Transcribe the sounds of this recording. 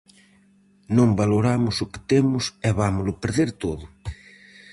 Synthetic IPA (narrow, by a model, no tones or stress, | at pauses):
nõmbaloɾamʊsʊkɪ̥t̪emʊsɛβamʊlʊpeɾðeɾt̪oðʊ